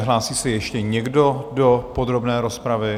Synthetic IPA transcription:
ɦlaːsiːsɛjɛʃcɛɲɛɡdo̞dopod̪ɾo̞bnɛːɾo̞spɾavɪ

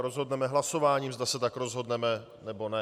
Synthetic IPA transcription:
ɾo̞zɦo̞dnɛmɛɦlaso̞vaːɲiːmzd̪asɛt̪akɾo̞zɦo̞dnɛmɛ | nɛbo̞nɛ

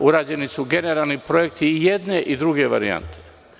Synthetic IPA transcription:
uɾaːd͡ʑe̞nisuɡe̞neɾaːlˠnipɾojek̚t̪ije̞d̪ne̞ʔid̪ɾuɡe̞ʋa̰ɾḭa̰nt̪ʰe̥

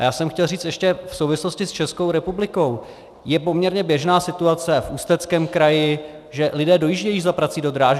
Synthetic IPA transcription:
jaːsɛmxcɛlriːt͡st̪ɛʃcɛfsowvɪslo̞scɪst͡ʃɛsko̞wɾɛpublɪko̞w | jɛpo̞mɲɛɾɲɛbjɛʒnaːsɪt̪uat͡sɛfʔuːst̪ɛt͡skɛːmkɾajɪ | ʒɛlɪdɛːdo̞jiʒɟɛjiːzapɾat͡sido̞d̪ɾaːʒ

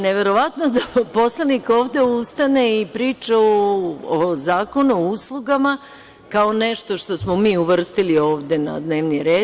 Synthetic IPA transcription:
neʋe̞ɾo̞ʋat̪nod̪apo̞slˠaniko̞ːʋd̪e̞ust̪ane̞ipɾiːt͡ʃaoozaːko̞nuuslˠuɡama | kaone̞ʃt̪o̞ʃt̪o̞smomiːuʋr̩st̪ilio̞ːʋd̪e̞na̰d̪ne̞ːʋniɾe̞ː

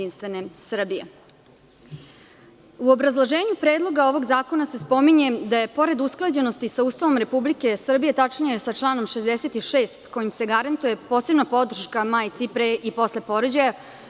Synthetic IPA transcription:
inst̪ʋe̞ne̞sr̩bijḛ | uobɾazlˠoʒe̞ːɲupɾe̞ːd̪lˠo̞ɡao̞ʋo̞ɡzaːko̞nase̞spo̞miɲe̞d̪aje̞po̞ɾe̞d̪usklˠad͡ʑe̞nost̪isauːst̪aʋo̞mɾe̞publike̞sr̩bije̞t̪at͡ʂnijesat͡ʂlˠaːno̞mʃezd̪ese̞t̪iʃeːst̪ko̞jimseɡaɾant̪uje̞po̞ːse̞bnapo̞d̪r̩ʃkamajt̪sipɾeʔipo̞sle̞po̞ɾod͡ʑaja

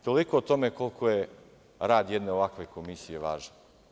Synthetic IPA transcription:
t̪o̞likoot̪o̞meko̞lˠkʰoje | ɾaːd̪jed̪neoʋakʋeko̞misijeʋaːʒan

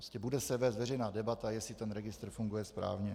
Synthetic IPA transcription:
scɛbudɛsɛvɛːst̪vɛrɛjnaːdɛbat̪ajɛsɪt̪ɛnɾɛɡɪst̪ɾ̩fuŋɡujɛspɾa̰ːvɲɛ

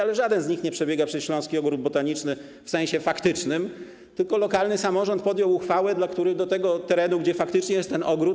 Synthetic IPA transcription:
alɛʐad̪ɛnzɲixɲɛpʂɛbʲɛɡapʂɛsɕlɔ̃w̃skʲiɔɡɾud̪̚bɔt̪aɲit͡ʂnɘ | fsɛ̃ɕɛfakt̪ɘt͡ʂnɘm | t̪ɘlkɔlɔkalnɘsamɔʐɔnt̪̚pɔd̪jɔwuxfawɛd̪lakt̪uɾɘɣd̪ɔt̪ɛɡɔt̪ɛɾɛnuɡd͡ʑɛfakt̪ɘt͡ʂɲɛjɛst̪ːɛnɔɡɾut̪

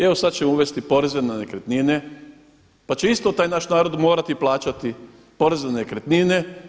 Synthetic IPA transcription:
eosad̪̚t͡ɕe̞mouʋe̞st̪ipo̞ɾezenenekɾet̪nine̞ | pat͡ɕe̞ist̪o̞t̪aːjnaːʃnaːɾo̞d̪mo̞ːɾat̪iplˠaːt͡ʃat̪i | po̞ɾezenekɾet̪nine̞

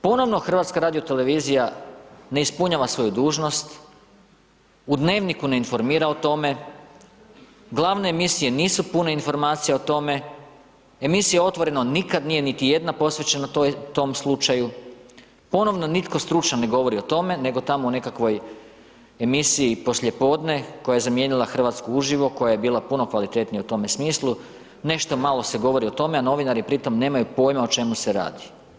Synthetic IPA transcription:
po̞no̞ʋno̞xr̩ʋaːt̪skaɾaːd̪ijo̞t̪e̞le̞ʋiːzijaneispuɲaːʋasʋo̞jud̪uːʒno̞st̪ | ud̪ne̞ːʋnikune̞info̞ɾmiːɾao̞t̪o̞me̞ | ɡlˠaʋne̞ːmisije̞niːsupuneinfo̞ɾmaːt̪sijeot̪o̞me̞ | emisijeo̞t̪ʋo̞ɾe̞no̞nikad̪nije̞nit̪ije̞d̪napo̞sʋe̞t͡ɕe̞nat̪o̞mslˠut͡ʃaju | po̞no̞ʋno̞nit̪ko̞st̪ɾut͡ʃnane̞ɡo̞ʋo̞ɾio̞t̪o̞me̞ne̞ɡo̞t̪amoune̞kakʋo̞j | emisiːpo̞slʲʎʲje̞po̞ːd̪ne̞ko̞jaje̞zamjenilˠaxr̩ʋaːt̪skouʒiʋo̞ko̞jajebiːlˠapuno̞kʋalit̪e̞t̪nijeut̪o̞me̞smiːslˠu | ne̞ʃt̪o̞malˠo̞se̞ɡo̞ʋo̞ɾio̞t̪o̞meano̞ʋinaɾipɾit̪o̞mne̞ːmajupo̞ːjmaot͡ʃe̞muse̞ɾa̰ːd̪i

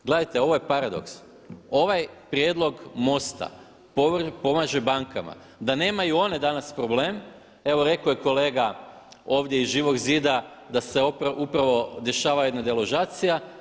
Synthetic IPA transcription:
ɡle̞d̪ajt̪e̞o̞ʋo̞je̞paɾad̪o̞̰ks | o̞ʋajpɾje̞d̪lˠo̞ɡmo̞st̪a̰ | popo̞maʒe̞baŋkama̰ | d̪ane̞ːmajuo̞ne̞d̪anaspɾo̞ble̞ːm | e̞ʋo̞ɾe̞kojeko̞le̞ːɡa | o̞ːʋd̪jeizʒiːʋo̞ɡziːd̪ad̪aseopɾupɾaʋo̞d̪e̞ʃaːʋajued̪nad̪eloʒaːt̪sija

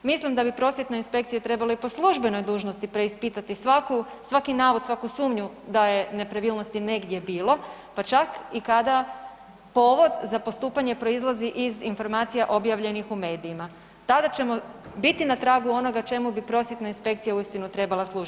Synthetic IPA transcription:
mislimd̪abipɾo̞sʋje̞t̪nainspe̞kt̪sijat̪ɾe̞baleipo̞slˠuʒbe̞no̞jd̪uːʒno̞st̪ipɾe̞ispit̪at̪isʋaku | sʋakinaːʋo̞d̪sʋakusuːmɲu | d̪aje̞ne̞pɾaʋiːlno̞st̪ine̞ɡd̪je̞biːlo̞ | pat͡ʃakikad̪a | po̞ʋo̞d̪zapo̞st̪uːpaɲe̞pɾo̞izlˠaziʔizinfo̞ɾmaːt̪sijaʔo̞bjaʋʎe̞nixume̞ːd̪iːma | t̪ad̪at͡ʃe̞mo̞bit̪inat̪ɾaːɡuo̞no̞ɡat͡ʃe̞mubipɾo̞sje̞t̪nainspe̞kt̪sijauist̪inut̪ɾe̞balˠaslˠuʒ

